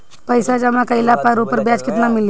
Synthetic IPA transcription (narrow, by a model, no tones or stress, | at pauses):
pəjsad͡ʒɐmãkɐɪlapaɾopəɾbjaːt͡ʃkɪt̪namɪl